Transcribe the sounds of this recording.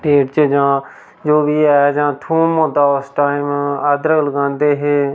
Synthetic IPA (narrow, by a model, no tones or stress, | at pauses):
ʈeːʈt͡ʃəd͡ʒãː | d͡ʒoːbiːɛːd͡ʒãːt̪ʰũːmõːd̪aːosʈaːɪmaːd̪ɾəɡləɡãːnd̪eːɦeː